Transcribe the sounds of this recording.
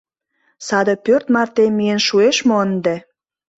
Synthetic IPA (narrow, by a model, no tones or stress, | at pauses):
sɑd̪ə̆pørt̪mɑrt̪emːiənʃueʃmoənd̪e